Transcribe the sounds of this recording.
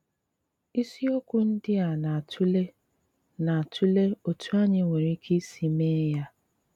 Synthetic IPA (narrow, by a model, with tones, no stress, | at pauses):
i˦si˦o˦kʷʊ˦n̩˦dɪ˦a˨na˨tʰu˦le˦ | na˨a˨tʰu˦le˦o˨tu˦a˦ɲɪ˦ŋʷe˨ɾi˦kʰi˦si˨me˦ja˦